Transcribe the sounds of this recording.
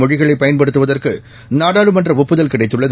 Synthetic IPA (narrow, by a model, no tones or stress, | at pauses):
ɔɻɪɣɐɭɐɪpːɐjɐnpɐɽɯt̪ːɯʋɐðɐrkɯ | naːɽaːɻɯmɐndrɐʋɔpːɯðɐlkɪɽɐɪt̪ːɯɭːɐð